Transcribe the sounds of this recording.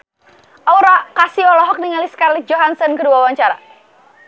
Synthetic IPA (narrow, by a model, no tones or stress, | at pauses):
ʔɔuɾakasiɔlɔɦɔk̚niŋaliskarlit̪̚d͡ʒɔɦansənkəduawaɲt͡ʃaɾa̰